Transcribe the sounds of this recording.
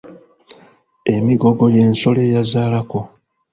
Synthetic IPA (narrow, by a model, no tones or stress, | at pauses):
e̞miɡo̞ɡo̞je̞ːnso̞le̞ːjazaːlako̞